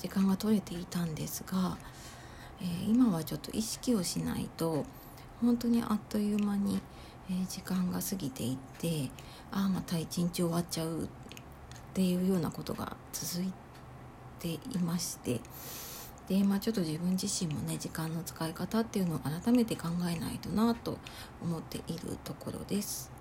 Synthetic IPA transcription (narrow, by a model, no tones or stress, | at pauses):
d͡ʑikãŋɡat̪o̞ɾe̞t̪e̞it̪ãnd̪e̞sɨɡa | eːimaβat͡ɕo̞t̪ːo̞̰ʔiɕi̥kʲio̞ɕina̰ḭt̪o̞ | hõ̞nt̪o̞ɲ̟ḭʔa̰t̪ːo̞jɯmaɲ̟i | ed͡ʑikãŋɡasɨɡʲit̪e̞̰it̪ːe̞ | amat̪ait͡ɕĩɲt͡ɕio̞βatt͡ɕaɯ̟ | t̪ːe̞jɯ̟ːjo̞ːnako̞t̪o̞̰ɡa̰t͡sɨzɨi | t̪e̞imaɕi̥t̪e̞̰ | d̪̥e̞maːt͡ɕo̞t̪ːo̞ʑibɯ̟̃ɲ̟d͡ʑiɕĩmːo̞ne̞d͡ʑikãnːo̞t͡sɨ̥kaikat̪at̪ːe̞jɯ̟no̞oaɾat̪ame̞t̪e̞kãŋɡae̞na̰it̪o̞nat̪o̞̰ː | mo̞t̪ːe̞̰ʔiɾɯ̟̰t̪o̞ko̞̰ɾo̞̰d̪e̞sɨ̥